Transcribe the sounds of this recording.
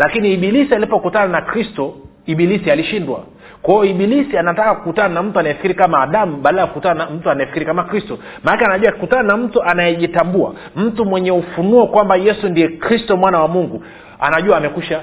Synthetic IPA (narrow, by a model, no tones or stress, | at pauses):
lakiniːɓilisialipɔkutananakɾistɔ | iɓilisialiʃindwa̰ | kwajɔiɓilisianatakakukutananam̩tuanajɛfi̥kiɾikamaːɗamuɓaːɗajakukutaanam̩tuanajɛfikiɾikamakɾistɔ | maakanaʄuakikutananam̩tuanajɛʄitambua̰ | m̩tumwɛɲɛufunuɔkwambajɛsundiɛkɾistɔmwanawamuŋɡu | a̰naʄuaːmɛkuʃa